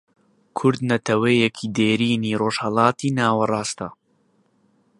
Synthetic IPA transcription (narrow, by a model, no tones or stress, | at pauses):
kʰʊɾd̪nɐt̪ʰɐwejekʰid̪eːɾiːniːroːʒhɐlˠɑːt̪ʰiːnaːwɐrˤɑːst̪ɐ